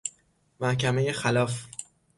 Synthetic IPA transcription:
mæhcæme̞jexælɒːf

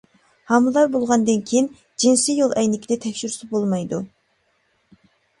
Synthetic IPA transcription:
hɑmɨlˠɑɾbolˠʁɑnd̪ɨnkʲʰejin | d͡ʒinsijolˠɛjnɪkʲʰid̪ɛt̪ʰɛkʲʃyɾsɪbolˠmɑjd̪u

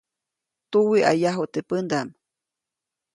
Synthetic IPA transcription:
t̪uwiʔa̰jaɦut̪epənd̪am

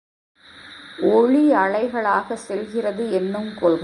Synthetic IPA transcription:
ɔɻiɐɭɐɪɣɐɭaːɣɐsɛlɣɪrɐðɯɛnːɯmkɔlɣ

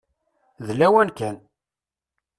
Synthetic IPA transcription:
ðlæwænkæn

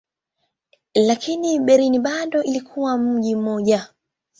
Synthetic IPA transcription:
lakʰiniɓɛɾiniɓaɗɔʔilikʰuwam̩ʄim̩mɔʄa

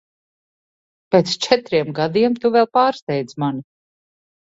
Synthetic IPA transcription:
peːt̪st͡ʃɛt̪ɾiɛmɡad̪iɛmt̪uvɛlˠpaːɾst̪ɛjd̪zmani

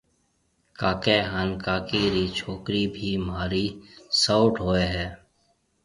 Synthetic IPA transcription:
kaːkeɦankaːkiɾit͡ʃʰoːkɾibʱimɦaːɾisaːʈɦoːeɦɛː

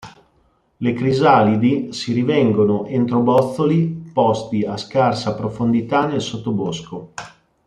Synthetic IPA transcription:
lekɾizalid̪isiɾivɛŋɡonoʔent̪ɾobɔt̪θːolipɔst̪iaskarsapɾofond̪it̪anelsot̪ːobosko

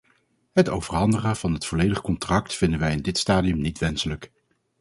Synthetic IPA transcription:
ɦətowvərɦɑndəχəv̥ɑnɦətfɔlejdəχkɔntrɑk̚tfɪndənʋɛjɪndɪtstaːdiɵmnitʋɛnsələk

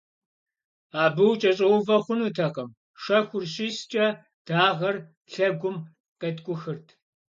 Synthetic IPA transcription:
aːbɨwt͡ʃʼɐɕʼɐwʊvɐχʷʊnutʰɐqɐm | ʂɐxʷʊrɕiːst͡ʃʼɐ | d̥aːʁɐr | ɬɐɡʷʊm | qʼɐtkʷʼʊxɨrtʰ

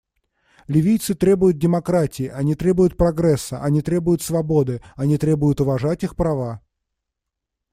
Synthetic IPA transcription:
lʲɪvʲijt̪sɨt̪ɾʲe̞bʊjʊt̪̚dʲɪmɐkɾatʲɪːʔɐnʲit̪ɾʲe̞bʊjʊt̪̚pɾɐɡɾɛsːə̰ʔɐnʲit̪ɾʲe̞bʊjʊt̪svɐbo̞d̪ɨɐnʲit̪ɾʲe̞bʊjʊt̪ʊvɐʐatʲixpɾɐva

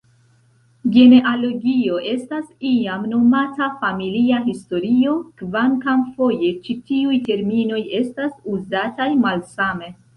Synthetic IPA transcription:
ɡe̞neʔalo̞ɡio̞ʔe̞stasiamno̞matafamiliaɦisto̞ɾio̞kvaŋkamfo̞je̞t͡ʃitiujte̞ɾmino̞je̞stasuzatajmalsame̞

